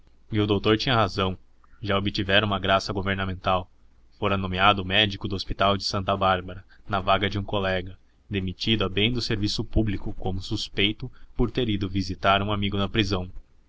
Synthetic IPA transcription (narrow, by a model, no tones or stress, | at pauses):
ɪʊd̪owt̪oɾt͡ʃĩɲɐɦazɐ̃w̃ | ʒaobɪt͡ʃivɛɾũmɐɡɾasɐɡoveɾnɐmẽnt̪aw | foɾɐnomiad̪ʊːmɛd͡ʒikʊd̪ʊospit̪awd͡ʒɪ̥sɐ̃nt̪ɐbaɾbɐɾɐnɐvaɡɐd͡ʒɪũkolɛɡɐ | d̪emit͡ʃid̪ʊɐbẽj̃d̪ʊseɾvisʊpublikʊkõmʊsuspejt̪ʊpoɾt̪eɾid̪ʊvizit̪aɾũamiɡʊnɐpɾizɐ̃w̃